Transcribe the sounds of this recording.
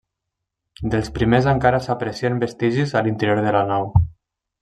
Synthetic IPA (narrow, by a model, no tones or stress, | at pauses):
d̪elˠspɾimezaŋkaɾasapɾesiembest̪iʒizalint̪əɾjoɾðəlanaw